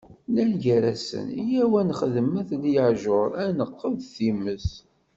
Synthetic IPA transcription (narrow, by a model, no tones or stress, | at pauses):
lænʝæɾæsə̰nijæwænχəðəməθlijəʕʒʊɾˤænəqːəðθiməs